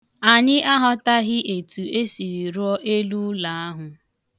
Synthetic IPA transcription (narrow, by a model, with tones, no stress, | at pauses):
a˨ɲɪ˦ʔa˦ɦɔ˦ta˦ɣɪ˦ʔe˨tu˨e˦si˨ɾi˨ɾɔ˦ʔe˦lu˦la˨a˦ɦʊ˨